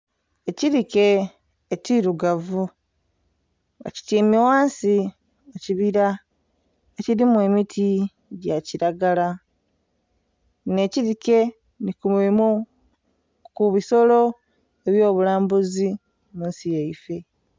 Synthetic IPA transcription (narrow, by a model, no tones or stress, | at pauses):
e̞ciɾike̞ː | ciɾuɡavu | a̰ci̥teːmiwaːnsi | aciβiɾa | eciɾimwe̞ːmitʰi | ɟaciɾaɡala | ne̞ciɾike̞ | nikumemu | kuβiso̞lo̞ | e̞βjo̞ːβulaːmbuzi | munsijeife̞